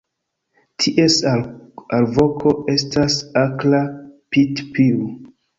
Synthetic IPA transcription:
tʰiʔes | alvo̞kʰoe̞stasaklapitpiu

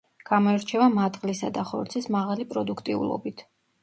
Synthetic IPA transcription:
ɡ̥amɔɛɾt͡ʃʰɛvamat̪ʼqʼlisa̰d̪aχɔɾt̪sʰismaʁalipʼɾɔd̪ukʰt̪ʼiṵlˠɔ̰bit̪ʰ

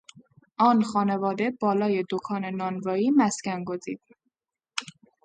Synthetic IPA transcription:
ʔɒːnxɒːne̞vɒːd̪e̞bɒːlɒːje̞d̪okʰɒːne̞nɒːnvɒːiːmæscænɡozḭːd̪̥̚

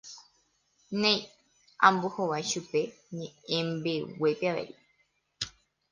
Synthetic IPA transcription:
nẽj̃ | ãmbohoʋajʃupe̞ɲẽẽmbe̞wepeaʋḛji

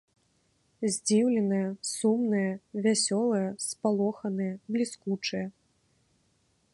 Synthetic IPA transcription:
zʲd͡zʲiwlʲɛnɨjɐsumnɨjɐvʲasʲɔlˠɨjɐspalˠɔxɐnɨjɐblʲiskut͡ʂɨjɐ

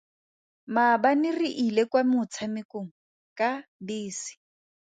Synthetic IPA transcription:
mabanɪriʔilekwamʊt͡sʰamɪkʼoŋ̩ | kʼabiːsi̥

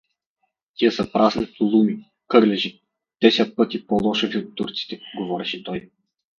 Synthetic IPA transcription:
t̪iəsɐpɾaznit̪ulˠumi | kɤɾlɛʒi | d̪̥ɛsʲɛt̪̚pɤt̪ipɔlˠɔʃɛviot̪ːuɾt̪si̥t̪ɛɡɔvɔɾɛʃɛt̪ɔj

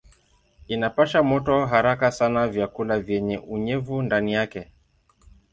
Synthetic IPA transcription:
inapaʃamɔtɔɦaɾakasanavjakulavjɛɲɛʔuɲɛvundanijakɛ

